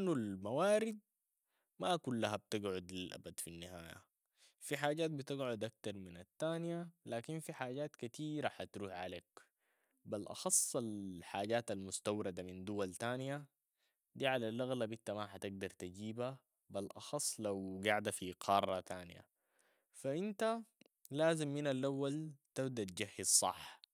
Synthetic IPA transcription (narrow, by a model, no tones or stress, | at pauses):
nːulmawaːɾɪd̪̚ | makulːaɦab̚t̪ɪɡʕʊd̪lilʔa̰bad̪finːihaːja̰ | fiħaːɟaːt̪̚bit̪ɪɡʕʊd̪ʔak̚t̪ɑɾˤminat̪ːaːnjalaːkinfiħaːɟaːt̪kat̪iːɾaħat̪ɾuːħʕa̰leːk | balʔɑ̰xɑsˤːalħaːɟaːt̪almʊst̪awɾɑd̪amind̪uwalt̪aːnja | d̪iːʕalalʔaɣlabit̪ːamaħat̪ɪɡ̚d̪ɑɾˤt̪aɟiːba | balʔɑ̰xɑsˤːlawɡaʕd̪afiqʰɑːrˤːɑt̪aːnḭja̰ | faʔint̪a | laːzimːinalʔawːalt̪abd̪at̪̚d͡ʒahːizsˤɑ̰ħ